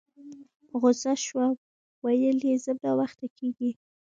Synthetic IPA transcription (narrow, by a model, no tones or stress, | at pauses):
ɣʊzaʃwa | wajəlizəbawaxt̪akʰeɡi